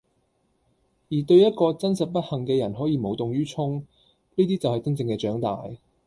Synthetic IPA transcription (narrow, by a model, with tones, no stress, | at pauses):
jiː˨˩t̪ɵ˧ɥjɐ˥t̚kɔː˧t͡sɐ˥nsɐ˨t̚pɐ˥t̚hɐ˨˩ŋkɛː˧jɐ˨˩nɦɔː˨˥jiː˨˧mo˨˧wt̪ʊ˨ŋjyː˥t͡ʃʰʊ˥ŋ | niː˥t̪̬iː˥t͡sɐ˨whɐ˨jt͡sɐ˥nt͡sɪ˧ŋkɛː˧t͡ʃœː˨˥ŋt̪a̰ː˨j